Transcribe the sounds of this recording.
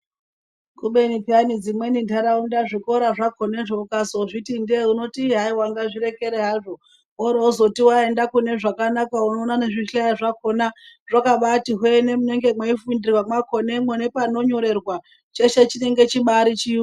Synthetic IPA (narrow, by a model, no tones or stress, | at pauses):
kuɓe̞nitianid͡zimwe̞nindʱaɾaundaʐiko̞ɾaʐakʰoneʐokasoʐitindeuno̞tiɦaiwaŋɡaʐiɾe̞ke̞ɾeɦaːʐo̞ | oɾouzo̞tiwae̞ndakune̞ʐakanakauno̞ːnane̞ʐiajaʐako̞na | ʐakaɓatiɦwene̞mune̞ŋɡe̞mweifundirwamwakone̞mwenepano̞ɲo̞ɾe̞rwa | t͡ʃe̞ʃe̞t͡ʃine̞ŋɡe̞t͡ʃiɓaɾit͡ʃi